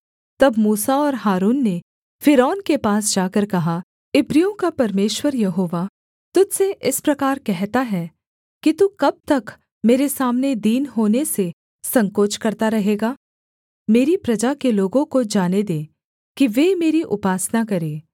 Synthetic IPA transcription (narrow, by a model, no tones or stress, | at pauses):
t̪ɐbmuːsaɔːɾɦaːɾuːnːe | fʰɪɾɔːnkepaːs̬d͡ʒaːkəɾkɐɦa | ɪbɾijõkapɐɾmeːʃwəɾjɐɦoːʋa | t̪ʊd͡ʒseʔɪspɾɐkaːɾkɛɦt̪aɦɛ | kit̪ukɐb̚t̪ɐk | meːɾesaːmned̪iːnɦoːnese | sɐ̃ŋkoːt͡ʃkɐɾt̪aɾɐɦeːɡaː | meːɾipɾɐd͡ʒakeloːɡõkod͡ʒaːned̪ẽː | kiʋeːmeːɾiʔʊpaːsnakɐɾeː